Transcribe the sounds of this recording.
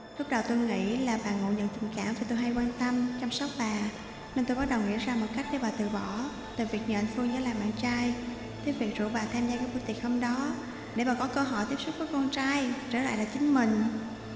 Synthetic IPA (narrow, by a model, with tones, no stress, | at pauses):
lʊ˦˥k͡p̚ɗə˨˩wt̪o˧jŋḭ˧˥laː˨˩ɓaː˨˩ŋo̰˧˨ɲə̰˧˨nt̪ï˨˩ŋkaː˧˩mfvaː˨˩t̪o˧jɦa˧jkwaː˧nt̪ə˧mt͡ɕɔ˧wmsa˦˥wk͡p̚ɓaː˨˩ | ne˧nt̪o˧jɓt̚ɗə˨˩wŋḭ˧˥əzaː˧mo˨˩t̚ka˦˥jk̟̚ɗe˧˦ɓaː˨˩t̪ɨ˨˩ɓɔ˧˩ | t̪ɨ˨˩vi˨˩ək̚ɲə̰ː˧˨nfɨ˧əŋzə̰˧˦jlaː˨˩mɓa̰ː˧˨nt͡ɕaː˧j | t̪ʰe˨˦vi˨˩ək̚zṵ˧˩ɓaː˨˩t̪ʰaː˧mzaː˧aː˧˦jku˧˦t̪i˨˩ək̚həː˧mɗɔ˨˦ | ɗe˧˩ɓaː˨˩kɔ˨˦kəː˧ɦɔ˧˩jt̪i˦˥əpsu˦˥t̚vəː˨˦kɔ˧nt͡ɕaː˧jt͡ɕəː˧˩la̰ː˧˨jla̰ː˧˨˩t͡ɕï˨˦ŋ̟mï˨˩ŋ̟